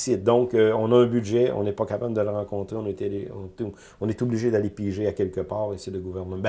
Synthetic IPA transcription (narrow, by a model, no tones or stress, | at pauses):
sɪt̪̚d̪ɔ̃kəɔ̃naœ̃byʒɛɔ̰̃nɛpɔkapabləd̪ələʁɑ̃kɔ̃t̪ʁeɔ̃net̪eleɔ̃t̪ | ɔ̃nɛt̪ubliʒed̪alepiʒeakʲɛlkəpaːʁesed̪əɡuvɛʁnb